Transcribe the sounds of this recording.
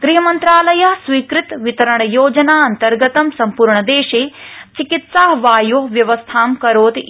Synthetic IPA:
ɡ̪ɾiɦɐmɐnt̪ɾaːlɐjɐɦsʋiːkɾɪt̪ʋit̪ɐɾɐɳ̃ɐjoːd͡ʒɐnaːɐnt̪ɐɾɡɐt̪ɐmsɐmpuːɾɳɐd̪eːʃeːt͡ʃikit̪saːɦʋaːjoɦʋjɐʋɐst̪ʰaːmkɐɾoːt̪

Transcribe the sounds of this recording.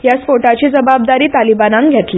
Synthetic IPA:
jasfoʈat͡ɕiːd͡zəbab̚d̪aɾiːt̪alibanãŋɡʱet̪le

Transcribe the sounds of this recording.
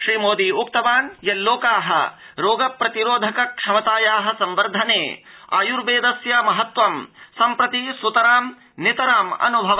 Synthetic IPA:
ʃɾiːmoːd̪iːuk̚t̪ɐʋaːnjɐlːoːkaːɦɐ̰ | ɾoːɡɐpɾɐt̪iɾoːd̪ʱɐkɐkʂɐmɐt̪aːjaːɦɐ̆sɐmʋɐɾd̪ʱɐneːa̰juɾʋeːd̪ɐsjamɐɦɐt̪ʋɐmsɐmpɾɐt̪isut̪ɐɾaːm | nit̪ɐɾaːmɐ̰nubʱɐʋɐ

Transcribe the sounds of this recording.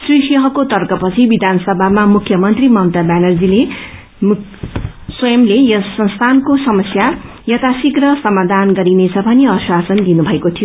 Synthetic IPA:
srisʌɦʌkot̪ʌrkʌpʌt͡sʰibid̪ʱansʌbʱamamukʰjʌmʌnt̪rimʌnt̪abanʌrd͡zile | m | swʌjʌmlejʌsʌnst̪ʰankosʌmʌsja | jʌt̪asikrʌsʌmad̪ʱanɡʌɾinet͡sʰʌbʱʌneʌswasʌnd̪inubʱʌekot̪ʰijo

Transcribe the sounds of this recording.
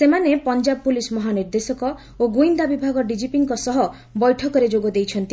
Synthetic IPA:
semanepɔnd͡ʒabpulismɔɦaniɾd̪esɔkɔ | oɡuind̪abibʱaɡɔɖid͡ʒipiŋkɔsɔɦɔ | bɔjʈʰɔkɔɾed͡ʒoɡɔd̪ejt͡ʃʰɔnt̪i

